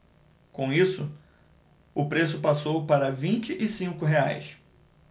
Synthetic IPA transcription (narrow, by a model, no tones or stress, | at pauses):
kõw̃isʊ | ʊpɾes̬ʊpasowpaɾɐvĩnt͡ʃɪʔɪsĩŋkʊɦea̰js